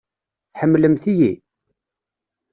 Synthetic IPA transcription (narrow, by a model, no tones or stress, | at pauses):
θħəmːləmθiji